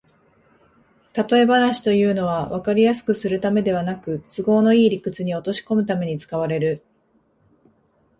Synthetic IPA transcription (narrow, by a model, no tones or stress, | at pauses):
t̪at̪o̞e̞banaɕi̥t̪o̞jɯ̟ːno̞βaβakaɾʲijasɨ̥kɯ̟sɨɾɯ̟t̪ame̞d̪e̞β̞anakɯ̟t͡sɨɡo̞ːno̞iːɾʲikɯ̟t͡sɨɲ̟io̞t̪o̞ɕi̥ko̞mɯ̟t̪ame̞ɲ̟it͡sɨ̥kaβ̞aɾe̞ɾɯ̟